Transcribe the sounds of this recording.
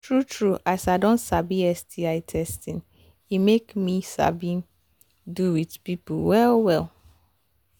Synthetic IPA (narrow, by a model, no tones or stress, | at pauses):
tʰɹutʰɹuʔasaɪdõntsabiɛsdiaɪtʰɛstĩn | imekmĩsa̰bĩ | duwitpipulwɛlwɛl